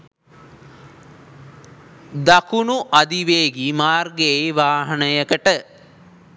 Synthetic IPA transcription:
d̪akunuʔad̪iʋeːɡimaːrɡeʋaːɦənəjəkəʈə

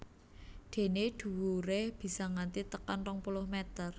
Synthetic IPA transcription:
ɖ̪̥e̤neɖ̪̥ṳwuɾehb̥i̤sɔŋant̪it̪əkanrɔŋpulʊhmet̪ər

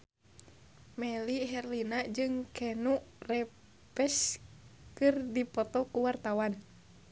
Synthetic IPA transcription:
mɛliɦɛrlinad͡ʒɨŋkɛnuʔrɛ | pɛs | kɨrdipɔt̪ɔkuwart̪awan

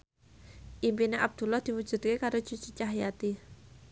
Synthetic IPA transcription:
ʔimpineʔab̚d̪̥ṳlahd̪̥i̤wud̥ʒ̥ṳd̪̚kekaɾo̥t͡ʃut͡ʃit͡ʃaɦjat̪i

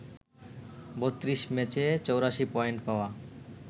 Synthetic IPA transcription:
bot̪ːɾiʃmɛt͡ɕet͡ɕowɾaʃipɔeɳʈpaoa

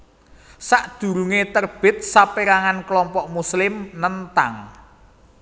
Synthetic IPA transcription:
saʔd̪̥ṳɾuŋet̪ərb̥ɪt̪̚sapeɾaŋanklɔmpɔʔmuslɪmnənt̪aŋ

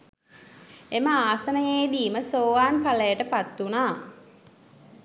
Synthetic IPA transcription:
eməaːsənəjeːd̪iːməsoːʋaːnpaləjəʈəpat̪ːunaː

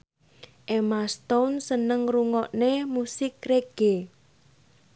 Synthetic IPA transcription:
ʔemast̪ɔnsənəŋruŋɔʔnemusɪk̚reɡ̥e

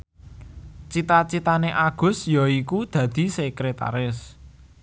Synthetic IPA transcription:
t͡ʃit̪at͡ʃit̪aneʔaɡ̥ʊ̤sjɔikud̪̥ä̤d̪̥i̤sɛkɾet̪a̰ɾɪs

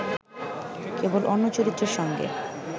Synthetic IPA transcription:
kebolʔɔnːot͡ɕoɾit̪ːɾeɾʃɔŋɡḛ

